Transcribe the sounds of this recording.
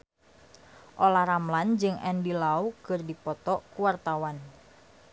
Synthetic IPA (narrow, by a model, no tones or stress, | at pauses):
ʔolahɾamland͡ʒɨŋʔɛndilaukɨrdipɔt̪ɔkuwart̪awan